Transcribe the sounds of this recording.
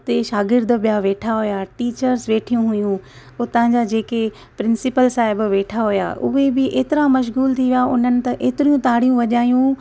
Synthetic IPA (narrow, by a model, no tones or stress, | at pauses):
ʊt̪eʃaːɡɪɾd̪bijaʋeːʈʰaɦʊjaʈiːt͡ɕəɾsʋeːʈʰijũɦʊjũ | ʊt̪ɐãɲd͡ʑad͡ʑeːke | pɾɪ̃nsɪpəlsaːɦɪbʋeːʈʰaɦʊja̰ʔʊ̰ɦebɪʔeːt̪ɪɾamɐʃ̬ɣuːlt̪ʰiʋijaʊn̤ənɪ̆t̪ɐʔeːt̪ɪɾijũt̪aːɽ̤ijũʋɐʄaːjũ